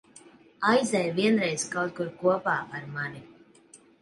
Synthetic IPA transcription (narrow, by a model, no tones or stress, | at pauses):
ajzɛjviɛnɾɛjzkawt̪̚kuɾkuɔpaːʔaɾmani